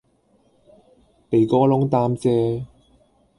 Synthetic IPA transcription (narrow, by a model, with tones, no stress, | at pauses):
pe˨jkɔː˥lʊ˥ŋt̪aː˧mt͡sɛː˧